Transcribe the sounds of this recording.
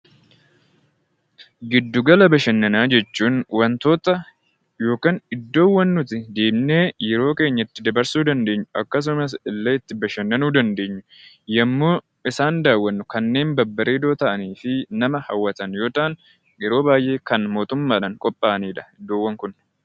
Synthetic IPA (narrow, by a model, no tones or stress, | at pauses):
ɡɪd̪ːʊɡɐlɐbɐʃɛnːɐnaːd͡ʒɛt͡ʃːuːnwɐnt̪o̞ːt̪ʼːɐ | jo̞ːkaːnɪd̪ːo̞ːwɐnːʊt̪ɪd̪e̞ːmne̞ːjɛɾo̞ːke̞ːɲːɐɪt̪ːɪd̪ɐbɐɾsuːd̪ɐnd̪e̞ːɲːʊɐ̰kːɐs̬ʊmɐsɪlːɐɪt̪ːɪbɐʃɐnːɐnuːd̪ɐnd̪e̞ːɲːʊ̥ | jɛmːoː | ɪsaːnd̪aːwːɐnːʊkɐnːe̞ːnbɐbːɐɾeːd̪o̞ːt̪ɐʔɐniːfɪnɐmɐhɐwːɐt̪ɐnjo̞ːt̪ʼaːn | jɛɾo̞ːbaːjʔe̞ːkɐnmoːt̪ʊmːaːᶑɐnkʼɔpʼːaːniːᶑɐ̥ɪd̪ːoːwːɐŋkʊn